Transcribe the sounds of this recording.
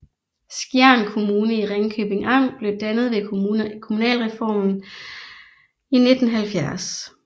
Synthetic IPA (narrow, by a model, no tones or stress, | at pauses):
sɡ̥jæɐnkʰo̝muːnəiʁeŋkʰøːb̥e̝ŋɑ̈mb̥le̝ʊd̥ænəð̞̩ˠʋe̝kʰo̝munɛ̰ːlʁɛfɒ̰ːmn̩ | ine̝d̥n̩ɦælfjæɐs